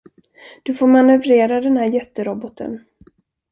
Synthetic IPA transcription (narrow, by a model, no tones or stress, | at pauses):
d̪̥ɵfoːɾmanɵvɾeːɾad̪ɛnhæːɾjɛt̪ːəɾɔbɔt̪ʰə̰n